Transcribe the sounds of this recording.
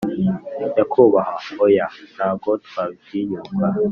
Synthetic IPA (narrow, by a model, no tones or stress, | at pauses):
jakʰuβahaojanaːɡotabɟijuːkʰa